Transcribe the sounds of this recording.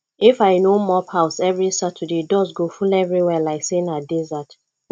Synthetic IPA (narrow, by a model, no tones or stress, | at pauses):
ifaɪnomɔpʰaʊsɛvɹisatʰədedɔsɡofulɛvɹiwɛlaɪksẽnadɛzat